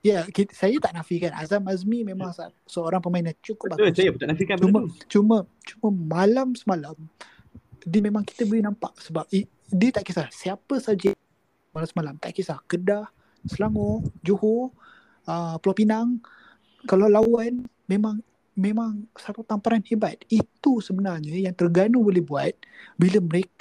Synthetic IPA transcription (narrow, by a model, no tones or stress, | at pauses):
jakisajat̪aʔnafikanʔa̰zamazmimemaŋsasəoɾaŋpəmainat͡ʃukʊp̚basajabut̪anafikaumət͡ʃumə | t͡ʃuməmalamsəmalam | dəmemãŋki̥t̪əbəlinampaʔsəbap̚i | diət̪aʔkisahsiapəsad͡ʒɛʔ̚ | malamsəmalamt̪aʔkisahkədah | səlaŋɔd͡ʒuho | əpəlɔpinaŋ | kalawlawan | memaŋ | memaŋsat̪ut̪ampaɾanhebat̪̚it̪usəbənarɲəjaŋt̪ərɡanubolehbuat̪̚biləməɾek